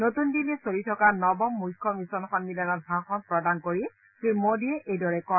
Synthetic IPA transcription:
notundilɛsolitʰɔkanɔbɔmːujkʰːɔmisɔnxɔnmilanɔt̚bʱaxɔnpɹɔdankoɹi | pɹimodiɛʔejdɔɹɛkɔ

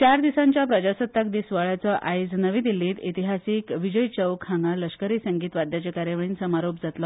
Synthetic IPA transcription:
t͡ɕaɾd̪isaɲt͡ɕjapɾəd͡ʑasət̪ːak̚d̪iːsʋaɭat͡sɔʔʔajd͡znəʋĩd̪ilːiːt̪it̪iɦasiːkʋid͡ʑəjt͡ɕəʋkʰhãŋɡaləɕkəɾiːsəŋɡiːt̪ʋad̪jat͡ɕekaɾjəʋəɭiːnsəmaɾopd͡zat̪lɔ

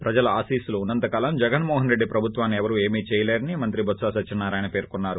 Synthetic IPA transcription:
pɾɐd͡ʒɐlɐaːsiːsuluunːɐnt̪ɐkaːlɐmd͡ʒɛɡɐnmɔːɦɐnɾe̞ɖːipɾɐbʱut̪ʋaːnːiɛʋɐɾue̞ːmiːt͡ʃɛːjɐleːɾɐnimɐnt̪ɾibʱɐt̪saːsɐt͡ʃːʃinːaːɾaːjnɐpe̞ːɾkunːaːɾu

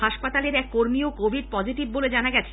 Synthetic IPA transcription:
aʃpat̪aleɾɛkːoɾmiokobʱiɖ̚pɔd͡ʑʱiʈibːoled͡ʑanaɡɛt͡ɕʰe̥

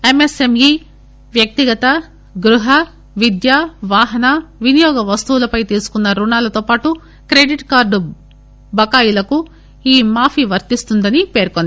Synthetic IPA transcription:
emesemji | ʋjɐk̚t̪iɡɐt̪ɐ | ɡɾuɦɐ | ʋid̪jaːʋaːɦɐnɐʋinijɔːɡɐʋɐst̪uwulɐpɐjt̪iːɾsu̥kunːɐɾunaːlɐt̪oːpaːʈu | kɾeɖiʈkaːɾɖu | bɐkaːjulɐku | iːmaːpʰiʋɐɾt̪ist̪und̪ɐnipe̞ːɾkond̪i

